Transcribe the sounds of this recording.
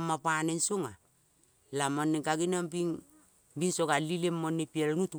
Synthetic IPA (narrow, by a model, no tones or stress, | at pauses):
mapanensoŋa | lamanːeɡaɡinambiŋ | binsoɡalilemːonipielnut